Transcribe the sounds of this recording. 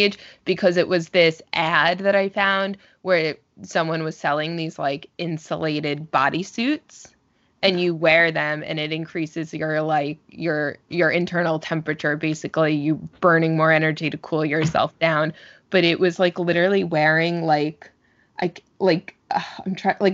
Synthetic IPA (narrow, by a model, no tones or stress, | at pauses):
ɨd͡ʒb̥ɨkʰʌzɨʔwʔʌzðɪsʔæd̪̚ðɨɾaɪfãʊ̃nd̚ | wə˞ | sʌ̃mwʌ̃nwʌz̥sɛlˠɪ̃ŋðiz̥la̰ɪkɪ̃nsə̰leɪɾɪd̚bɑ̰ɾisʉts | ɨ̃njɨwɛɹðɨ̃mɨ̰̃nɨɾɨ̃nkʰɹ̥isɨzjə˞laɪk̚jə˞jə˞ʔɨ̃ntʰɜ˞nl̩ˠtʰɛ̃mpɹɨt͡ʃə˞beɪsɨklijɨb̥ɜ̃˞nɪ̃ŋmɔɹɛnə˞d͡ʒiɾɨkʰulˠjə˞sɛ̰lˠfd̥ãʊ̃nb̥ʌɾɪʔwʔʌzlaɪklɪɾə˞l̩ˠiwɛɹɪ̃ŋlaɪk | ʔa̰ɪk | laɪkʔʌãɪ̃mtʰɹ̥alaɪ